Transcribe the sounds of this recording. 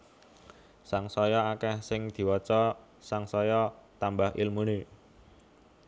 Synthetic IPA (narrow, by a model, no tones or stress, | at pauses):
saŋsɔjɔakɛhsɪŋd̪̥i̤wɔt͡ʃɔ | saŋsɔjɔt̪ambaɦɪ̰lmune